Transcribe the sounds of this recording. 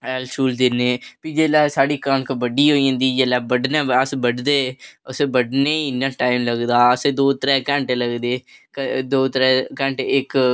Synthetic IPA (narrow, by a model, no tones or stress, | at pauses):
ɛːlt͡ʃuːld̪ɪneːpiːd͡ʒeːlɛːsaːɽiːkənkəbəɖiːɦoːiːãnd̪iːd͡ʒeːlɛːbəɖnaːəsbəɖd̪eːəsebəɖneːnãːʈaːɪmləɡd̪aːəseːd̪oːt̪əɾɛːkɛ̃ːɳʈeləɡd̪eːkd̪oːt̪əɾɛːkɛ̃ːɳʈeɪk